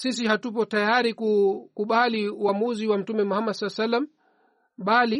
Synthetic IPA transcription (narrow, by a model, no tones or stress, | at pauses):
sisihatupɔtajaɾikukuɓaliuwamuziwam̩tumɛmuhamadsalːasalːam | ɓali